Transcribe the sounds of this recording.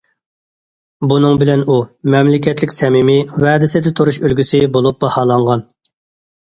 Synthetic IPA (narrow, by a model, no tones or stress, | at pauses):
bunɨŋbɪlɛnumɛmlɪkʲʰɛt̪lɪkʲsɛmɪmɪwɛːd̪ɪsɪd̪ɛt̪ʰuɾuʃølɡʲysɪbolˠup̚bɑhɑːlˠɑɴʁɑn